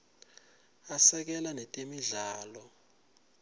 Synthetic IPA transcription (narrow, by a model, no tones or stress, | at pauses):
asɛk̬ɛlanɛtʼemiɮaːlɔ